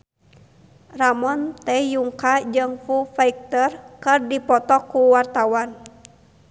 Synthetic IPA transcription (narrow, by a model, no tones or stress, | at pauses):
ramɔnt̪ɛjuŋkad͡ʒɨŋfufaik̚t̪ərkɨrdipɔt̪ɔkːuwart̪awan